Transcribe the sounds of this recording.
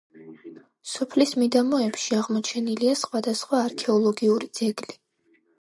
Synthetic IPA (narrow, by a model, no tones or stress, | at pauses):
sɔpʰlismid̪amɔɛpʃiaʁmɔt͡ʃʰɛniliasχwad̪asχwaːɾkʰɛɔlˠɔɡiuɾid̪z̥ɛɡli